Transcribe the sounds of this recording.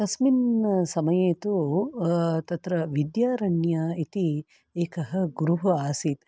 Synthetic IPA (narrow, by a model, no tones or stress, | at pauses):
t̪ɐsminɐsɐmɐjeːt̪u | t̪ɐt̪ɾɐʋid̪jaːɾɐɳjait̪i | eːkɐɦɐ̆ɡuɾuɦɐaːsit̪